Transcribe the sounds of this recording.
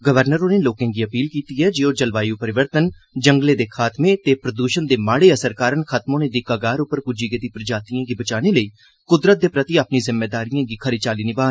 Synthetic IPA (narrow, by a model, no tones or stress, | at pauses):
ɡəʋəɾnəɾoneːloːkẽːɡiːəpiːlkiːt̪iːɦɛːd͡ʒeːoːd͡ʒəlʋaːjuːpəɾɪʋəɾt̪ən | d͡ʒəŋɡleːd̪eːkʰaːt̪mẽːt̪eːpɾəd̪uːʃənd̪eːmaːɽeːəsəɾkaːɾənkʰət̪mõːneːd̪ikaːɡaːɾʊpəɾkʊd͡ʒiːɡed̪iːpɾəd͡ʒaːt̪ijãːɡiːbət͡ʃaːneːləiː | kʊd̪ɾət̪̚d̪eːpɾət̪iaːpniːzɪmːeːd̪aːɾijãːɡiːkʰəɾeːt͡ʃaːliːnɪbaːn